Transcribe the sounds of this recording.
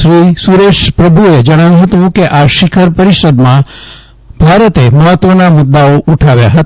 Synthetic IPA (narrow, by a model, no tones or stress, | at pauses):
ʃɾisuɾeʃpɾəbʱued͡ʒəɽ̃ajũɦət̪ũkeʔaʃɪkʰəɾpəɾiʃəd̪mã | b̥ʱaɾət̪eməɦət̪ːʋənamʊt̪ːaoʔuʈʰaʋja̰ɦət̪